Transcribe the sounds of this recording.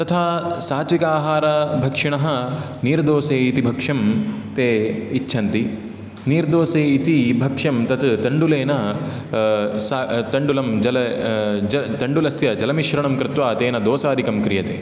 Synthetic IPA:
t̪ɐt̪ʰaːsaːt̪ʋikaːɦaːɾɐbʱɐkʂiɳɐɦɐ̆ | niːɾd̪oːseːit̪ibʱɐkʂɐmt̪eːtːʃʰɐnt̪i | niːɾd̪oːseːit̪ibʱɐkʂɐmt̪ɐt̪t̪ɐɳɖuleːnɐ | sat̪ɐɳɖulɐmd͡ʒɐlɐd͡ʒɐt̪ɐɳɖulɐsjɐd͡ʒɐlɐmiʃʋɾɐɳɐmkɾɪt̪ʋaːt̪eːnɐd̪oːsaːd̪ikɐmkɾijɐt̪ḛː

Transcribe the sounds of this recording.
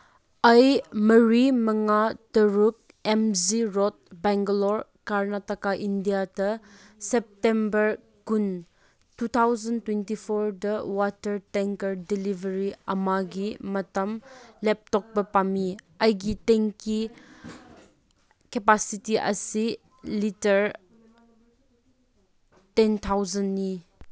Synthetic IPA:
ɐjmɐɾimɐŋatɐɾuk̚ | emziɾɔt̚bɛŋɡɐlɔɾkaɾnatɐkaʔindijadɐ | sɛp̚tembɐɾ | kun | tut̪ʰawzɐntwentipʰoɾdɐwatɐɾtɛŋkɐɾdilivɐɾiɐmaɡimɐtɐmlɛp̚tɔk̚bɐpami | ɐjɡiteŋki | kepasitiʔɐ̰si | litɐɾ | tɛnt̪ʰawzɐnːi

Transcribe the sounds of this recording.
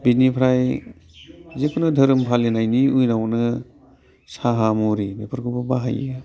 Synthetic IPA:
binipʰɾaj | zekʰunɯdʱəɾɯmpʰalenajniujnawnɯ | saɦamɔɾimepʰəɾkʰubabaɦa̰ji

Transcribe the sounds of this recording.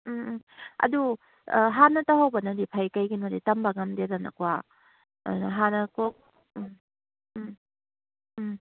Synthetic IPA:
ɐ̰du | ɦanɐtaɦawbɐnɐdipʰajkajɡinoditɐmbɐŋɐmdeɾanɐ̰kwa̰ | dnɐɦanɐkok̚

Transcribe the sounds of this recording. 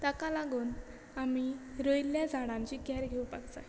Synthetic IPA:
t̪akalaɡuːn | amiɾojljad͡zʱaɽãɲt͡ɕiːɡʱaɾɡʱeupaɡd͡za̰j

